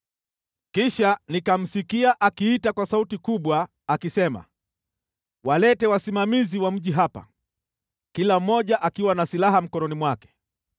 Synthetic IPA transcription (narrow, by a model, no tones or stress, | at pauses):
kiʃanikam̩sikiaʔakiːtakwasautikuɓwaː | kisɛma̰ | walɛtɛwasimamiziwam̩ʄiɦapa̰ | kilam̩ːɔʄaʔakiwanasilaɦam̩kɔnɔnimwakɛ̥